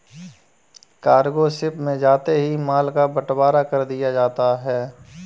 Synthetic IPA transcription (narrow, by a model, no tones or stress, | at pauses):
kaːɾɡosɪpmẽd͡ʒaːt̪eɦimaːlkabɐʈbaːɾakɐɾd̪ijad͡ʒaːt̪aɦɛː